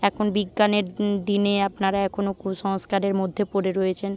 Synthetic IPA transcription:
ɛkʰonbiɡːaneɾd̪ineapnaɾaɛkʰonokuʃɔŋskaɾeɾmod̪ʱːepoɾeɾojet͡ɕʰen

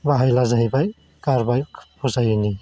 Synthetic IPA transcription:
baɦajlazaɦjbaj | kaɾbajpʰuzajni

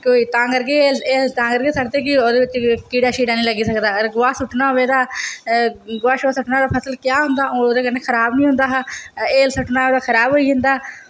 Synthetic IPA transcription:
koːiːt̪ãːkəɾɡeːleːt̪ãːkəɾɡeːsəkd̪eːkɪoːd̪eːʋɪt͡ʃkiːɖaːʃiːɖaːnĩːləɡiːsəkd̪aːɾɡʊʋaːsʊʈnaːʋeːd̪aː | ɡʊaːʃaːsʊʈnaːd̪aːpʰəsəlkjaːɦʊ̃nd̪aːʔoːoːd̪eːkəneːkʰəɾaːbnĩːɦʊ̃nd̪aːɦeːlsʊʈnaːoːd̪aːkʰəɾaːbɦoːiːɦɪnd̪aː

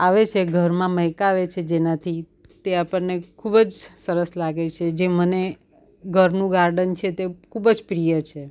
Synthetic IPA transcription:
aʋet͡ʃʰeɡʱəɾmãməjkaːʋet͡ʃʰed͡ʒenat̪ʰi | t̪eapəɳnekʰubd͡ʒsəɾəslaɡet͡ʃʰed͡ʒeməne | ɡʱəɾnũɡaɾɖənt͡ʃʰet̪ekʰubəd͡ʒpɾijət͡ʃʰe

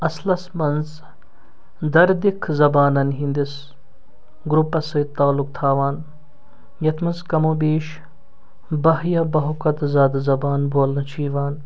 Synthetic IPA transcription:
ɐslɐsmɐnz | d̪ɐɾd̪ikʰzɐbaːnɐnɦĩnd̪is | ɡɾupːɐsɐjt̪aːluk̚t̪ʰaːʋaːn | jɐt̪ʰmɐnzkɐmoːbeːʃ | bɐɦjɐbɐɦukɐt̪zaːd̪zɐbaːnboːlnɐt͡ʃʰiːʋaːn

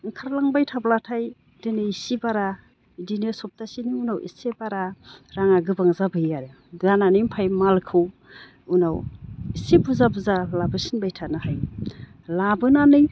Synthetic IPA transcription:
ŋ̩kʰaɾlaŋbajtʰablatʰaj | dinɯisibaɾa | dinesɔp̚tasiniunawʔḭsebaɾaɾaŋaɡɯbaŋzabɯjaɾe | dananɯjmpʰajmalkʰɯw | unawisebuzabuzalabɯsinbajtʰanɯhaj | labɯnanɯj

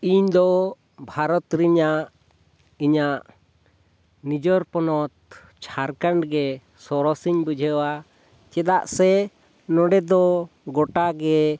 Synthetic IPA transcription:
iɲd̪ɔ | bʱaɾɔt̪ɾiɲaʔ | iɲaʔ | nid͡ʒɔɾpɔnɔt̪̚ | t͡ʃʰaɾkaɳɖɡɛ | sɔɾɔsiɲbud͡ʒʱəwa | t͡ʃɛd̪aʔsɛ | nɔɖɛd̪ɔ | ɡɔʈaɡɛ

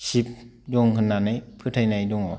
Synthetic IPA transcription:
sip̚ | duŋkʰɯnːanajpʰɯt̪ʰajnajduŋɔ

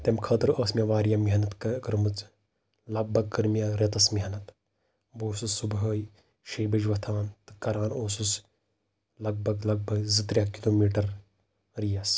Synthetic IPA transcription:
t̪emkʰɐːt̪ɐɾəːsmʲjaʋaːɾijamiɦɐnɐt̪kɐkɾɨmɨt͡s | lɐɡ̚bʱɐɡ̚kɐɾmʲjaɾʲet̪ɐsmiɦɐnɐt̪ | boːsusːubɦəːji | ʃeːbɐd͡ʒʋɐt̪ʰaːnt̪ɨ̥kɐɾaːnoːsus | lɐɡ̚bʱɐɡlɐɡ̚bʱɐɡzɨt̪ɾjakiloːmiːʈɐɾ | ɾijɐs

